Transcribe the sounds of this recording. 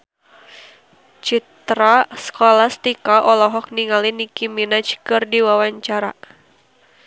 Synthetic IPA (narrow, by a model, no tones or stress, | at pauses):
t͡ʃit̪ɾasə̥kolast̪ikaʔɔlɔɦɔk̚niŋalinikiminat͡ʃkɨrdiwawaɲt͡ʃaɾa